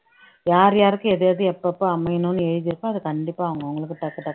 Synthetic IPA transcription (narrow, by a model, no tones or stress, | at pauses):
jaːɾjaːɾɯkːɯ̃ɛðeɐðɯɛpːɐpːoɐmɐjnɯnːɯɛɻɯðɪɾɯkːũɐðɯkɐɳɖɪpːaːɐʋɐŋɡɐʋɐŋɡɐɭɯkːɯʈ̪ɐkːɐʈ̪ːɐkː